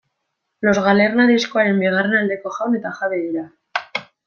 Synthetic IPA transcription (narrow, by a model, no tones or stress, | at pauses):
lo̞zɣaleɾnaðiskoaɾembeɣ̞arenald̪ekoxawnet̪axaβeβiɾa